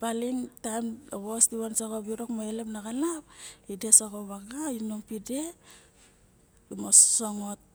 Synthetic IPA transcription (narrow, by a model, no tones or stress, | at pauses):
baliŋtajmɡostiwansokobiɾokmoelepnaɡalapide̞sokoβaɡainoŋpide̞ | mossoŋot̚